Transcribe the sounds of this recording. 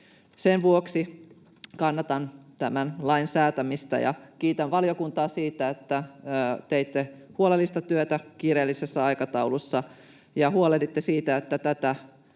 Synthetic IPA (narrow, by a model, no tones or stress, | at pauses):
senʋuoksi | kɑnːɑt̪ɑnt̪æmænlɑinsæːt̪æmist̪ɑ̰jɑ̰kiːt̪ænʋɑljokunt̪ɑːsiːt̪æet̪ːæt̪eit̪ːehuolelːist̪ɑt̪yøt̪ækirelːisesːɑɑikɑt̪ɑulusːɑ | jɑhuolelit̪ːesiːt̪æet̪ːæt̪æt̪æ